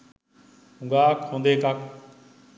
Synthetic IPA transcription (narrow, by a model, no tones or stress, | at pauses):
ʊ̃ŋɡaːkʰõːnd̪eːkaːk